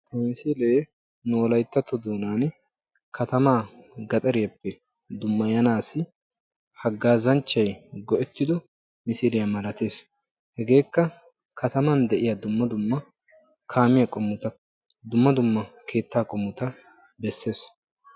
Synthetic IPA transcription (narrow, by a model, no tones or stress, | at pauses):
hmɪsiːleː | noːlɐjt̪ːɐt̪ːɔd̪oːnaːn | kʰɐt̪ɐmaːɡɐt̪ʼɐɾɪjɐpːɛ | d̪ʊmːɐjɐnaːsɪ | hɐɡːaːzɐnt͡ʃːɐjɡɔʔɛt̪ːɪd̪ɔ | mɪsiːlɪjɐmɐlɐt̪e̞ːs | hɛɡe̞ːkːɐ | kɐt̪ɐmand̪ɛʔɪjɐd̪ʊmːɐd̪ʊmːɐ | kʰaːmɪjɐkʼɔmːʊt̪ɐ | d̪ʊmːɐd̪ʊmːɐkʰe̞ːt̪ːaːkʼɔmːʊt̪ɐ | bɛsːe̞ːs